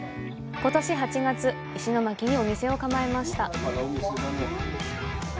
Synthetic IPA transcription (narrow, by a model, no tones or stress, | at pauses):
ko̞t̪o̞ɕiɦat͡ɕiɡat͡sɨ | iɕino̞makʲiɲ̟io̞mʲise̞o̞kamae̞maɕi̥t̪a